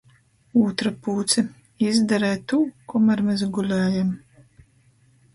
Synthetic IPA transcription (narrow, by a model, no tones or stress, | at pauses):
uːt̪ɾapuːt̪sɛ | izd̪aɾɛːt̪ukɔmaɾmezɡulʲæːjam